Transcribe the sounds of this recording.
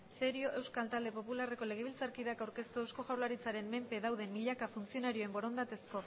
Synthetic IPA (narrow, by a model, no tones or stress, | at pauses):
se̞ɾio̞ʔe̞wskalt̪ald̪e̞po̞pulare̞ko̞le̞ɣ̞eβilt͡saɾkiðakawɾke̞st̪uewsko̞ʝawlaɾit͡saɾe̞mme̞mpe̞ðawðe̞mːiʎakafunt͡sio̞naɾio̞e̞mbo̞ɾo̞nd̪at̪e̞sko̞